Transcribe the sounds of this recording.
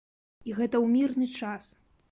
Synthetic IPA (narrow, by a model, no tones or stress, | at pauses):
iɣɛt̪ɐwmʲirnɨt͡ʂas